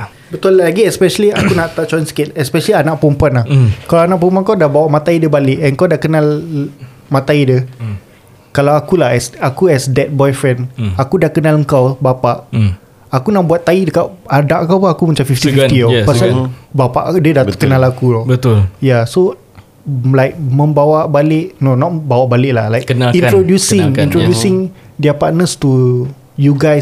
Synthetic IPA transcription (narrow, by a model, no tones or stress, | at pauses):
bət̪ʊlaɡiɛspɛʃaliakunaʔt̪aʔt͡ʃɔinsə̥kɪt̪ɛspɛʃalianaʔpɔmpuanlahkalawanaʔpomp̬ankawdabawaʔmat̪aidəbalɪʔɛnkawdaʔkənal | mãt̪aidə | kalawakulaɦɛsakuɛsdɛt̪̚bɔjfɾɛ̃nakudaʔkənaləŋkawbapaʔ | akunaʔbuat̪ːaidəkaʔ̚adaʔkawpɔŋakumət͡ʃamfift̪ifift̪iɔpasalbapa̰ʔdədat̪̚kənalakulɔbət̪ʊljaso | lajk̚mə̃mbawaʔbalɪʔnonɔt̪̚bawaʔbalɪʔlahlajkənaĩnɾodjusɪ̃ŋĩnt̪ɾodjusɪŋ | diapaʔnəst̪u | juɡaj